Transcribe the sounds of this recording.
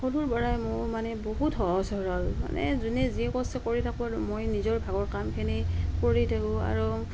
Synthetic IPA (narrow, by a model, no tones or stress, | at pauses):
xoduɹbɔɹajmʊɹmanɛboɦutɦɔsɔɹɔlma̰nɛ̰zunɛziɛkɔstɛkoɹitʰakʊ̃aɹumojnizɔɹbʱaɡɔɹkamkʰɛnikoɹitʰakʊ̃a̰ɹu